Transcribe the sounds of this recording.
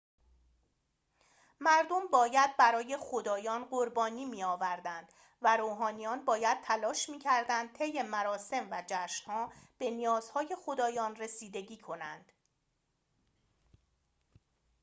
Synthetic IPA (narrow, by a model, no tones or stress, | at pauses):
mæɾd̪o̞mbɒːjæd̪̚bæɾɒːje̞xod̪ɒːjɒːnɢoɾbɒːniːmiːɒːvæɾd̪ænd̪̥ | væɾoːɦɒːnijɒːnbɒːjæd̪̚t̪ʰælɒːʃmiːcʰæɾd̪ænd̪̥̚t̪ʰe̞jːe̞mæɾɒːse̞mvæd͡ʒæːʃnhɒːb̥e̞nijɒːz̥hɒːje̞xo̞d̪ɒːjɒːnre̞siːd̪e̞ɟiːkʰo̞nænd̪̥